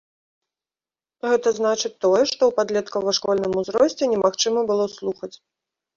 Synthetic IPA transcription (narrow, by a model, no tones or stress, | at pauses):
ɣɛt̪ɐzn̪at͡ʂɨt̪ːɔjɛʂt̪ɔwpad̪lʲɛt̪kɐvɐʂkɔlʲnɨmuzɾɔsʲt͡sʲɛnʲɛmaxt͡ʂɨmɐbɨlˠɔslˠuxɐt͡sʲ